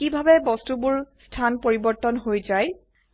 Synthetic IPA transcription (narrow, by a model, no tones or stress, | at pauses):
kibʱabɛbɔstubʊɹstʰanpoɹibɔɹtɔnɦojzaj